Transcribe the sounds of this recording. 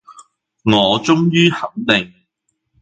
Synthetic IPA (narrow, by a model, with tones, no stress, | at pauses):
ŋɔː˨˧t͡ʃʊ˥ŋjyː˥hɐ˨˥ŋt̪ɪ˨ŋ